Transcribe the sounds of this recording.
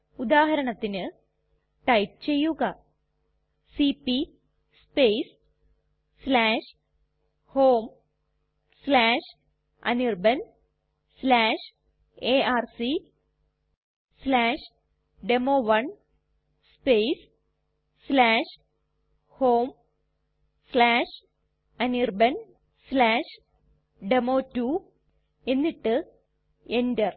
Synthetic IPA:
ud̪aːɦɐɾɐɳɐt̪ːinɨ | ʈɐjp̚t͡ɕejːuɣɐ | sipi | speːsː | laːʂ | hoːm | slaːʂ | ɐ̰nirbɐn | slaːʂ | eːaːrsi | slaːʂ | ɖemoːʋɐɳ | speːs | slaːʂ | hoːm | slaːʂ | ɐnirbɐn | slaːʂ | ɖemoːtːuː | enːiʈːɨ | endɐr

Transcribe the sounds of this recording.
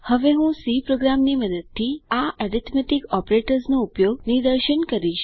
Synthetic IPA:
həʋeɦũsipɾoɡɾamniməd̪əd̪̚t̪ʰːiːaəɾit̪ʰmeʈikɔpɾeʈəɾsnoupjoɡnid̪əɾɕənkəɾiʃ

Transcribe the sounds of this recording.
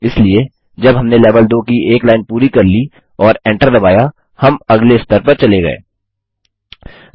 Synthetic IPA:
ɪslie | d͡ʒɐbɦɐmneleːʋəld̪oːkiʔeːklaːɪnpuːɾikɐɾli | ɔːɾẽːɳʈəɾd̪ɐbaːja | hɐmɐɡleɪst̪ʰəɾpɐɾt͡ʃɐleɡɐ̰ḛː

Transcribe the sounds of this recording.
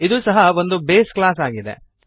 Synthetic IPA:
id̪usɐɦɐʋo̞nd̪ubeːsklaːs̬aːɡid̪e̞̰

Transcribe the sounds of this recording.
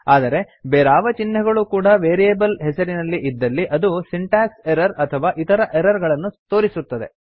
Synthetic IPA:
aːd̪ɐɾe̞ | beːɾaːʋɐt͡ʃinːɐɡɐɭukuːɽɐʋeːɾijeːbɐlɦɛsɐɾinɐlːiʔid̪ːɐlːiʔɐd̪usiɳʈaːseɾɐɾɐt̪ʰɐʋaːʔit̪ɐɾɐʔeɾɐɾɡɐɭɐnːut̪o̞ːɾisut̪ːɐd̪e̞

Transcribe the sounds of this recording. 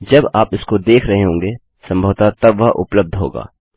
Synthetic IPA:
d͡ʒɐbaːpɪskod̪eːkʰɾɐɦeɦõːŋɡeː | sɐ̃mbʱəːt̪at̪ɐbʋɐɦʔʊ̰pləb̚d̪ʱɦo̰ːɡa̰ː

